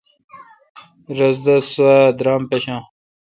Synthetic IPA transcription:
ɾɐzd̪ɐsad̪ɾaːmpeɕãː

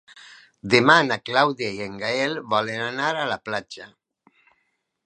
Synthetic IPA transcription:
d̪emanaklawðjaieŋɡaelβɔlenanaɾalaplad͡ʒa

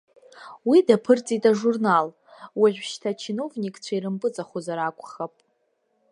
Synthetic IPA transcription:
widapʰɨrt͡sʼitʼaʐurnal | waʕʷᶣʃtʰat͡ʃʰino̞vnʲikʼt͡ɕʷʰairɨmpʼɨt͡sʼaχʷozaɾakʷʼχapʼ

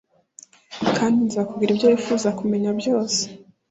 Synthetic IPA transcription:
kʰaːndinzaːkubɡiɾibɟjoːjifuːzakume̞ɲabjo̞ːse̥

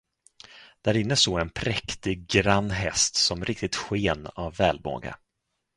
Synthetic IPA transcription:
d̪̥æɾɪnːəsoːɛnpʰɾɛkt̪ɪɡ̚ɡɾanːɦɛst̪sɔmɾʔɪk̚t̪ɪt̪ɧeːnavːɛːlmo̰ːɡa̰

